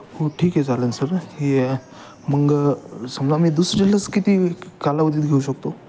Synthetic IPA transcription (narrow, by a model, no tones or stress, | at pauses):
hoʈʰiːkɦed͡zalənsəɾɦi | məɡsəmlamiːd̪usɾəd͡ʑelət͡skit̪iːkalaʋəd͡ziːt̪̚ɡʱeuɕək̚t̪o